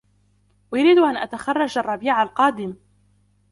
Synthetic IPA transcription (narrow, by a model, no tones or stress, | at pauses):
wajʊɾiːd̪ʔanʔat̪axɑrˤːɑd͡ʒʔɑrˤːɑbiːʕalqɑːd̪ɪm